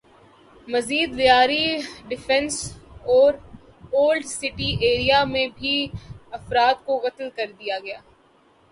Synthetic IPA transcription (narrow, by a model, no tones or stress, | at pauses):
mɐziːd̪ʋɪjaːɾiɖɪfʰɛ̃nsɔːɾ | oːlɖsɪʈiʔeːɾijamẽbʱiɐfɾaːt̪koɣɐt̪lkɐɾd̪ijaɡɐjaː